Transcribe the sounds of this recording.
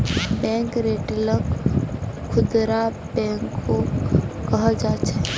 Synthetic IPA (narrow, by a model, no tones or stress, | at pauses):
bɛ̃ːŋkɾeːʈlək | kʰːʊd̪ɾa | bɛ̃ːŋkːokəɦd͡ʒaːt͡ʃʰɛ